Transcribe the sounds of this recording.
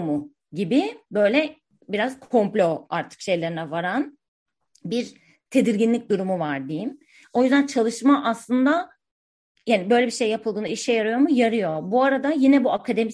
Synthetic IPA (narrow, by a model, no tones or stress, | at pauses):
mu | ɟibɪbø̞jlʲɛ | biɾaz̥kʰo̞mplʲoaɾt̪ʰɯ̥kʃe̞jlʲeɾinɛvaɾan | biɾ | t̪ʰe̞d̪iɾɟinlʲic̚d̪uɾumuvaɾd̪ijim | o̞jyzd̪ænt͡ʃʰalˠɯʃmaʔaslˠɯnd̪a | janibø̞jlʲebiʃe̞jːapʰɯlˠɯːniʃɛjaɾɯjo̞mujaɾɯjo̞buaɾad̪ajinɛbuakʰad̪e̞mi